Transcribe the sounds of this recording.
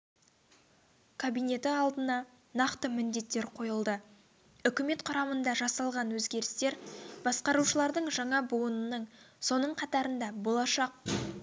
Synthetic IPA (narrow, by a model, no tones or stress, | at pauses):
kʰabijne̞t̪ɪɑlˠd̪ənɑ | nɑqt̪əmɪnd̪e̞t̪ːe̞ɾqʰo̞jəlˠd̪ə | ʏkʲɪme̞t̪qʰʊɾɑmənd̪ɑʒɑsɑlˠʁɑnwɵzɡʲe̞ɾɪst̪e̞ɾb̥ɑsqɑɾuʃəlˠɑɾd̪əɴʒɑɴɑbuənənəɴ | so̞nəɴqʰɑt̪ɑɾənd̪ɑbo̞lˠɑʃɑq̚